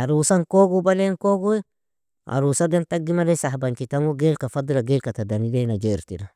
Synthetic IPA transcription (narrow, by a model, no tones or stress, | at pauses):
aɾusankoɡubalenkoɡu | a̰ɾusadantaɡːimadesahbankitamoɡelkafadulaɡelkatadanidenad͡ʒeɾtida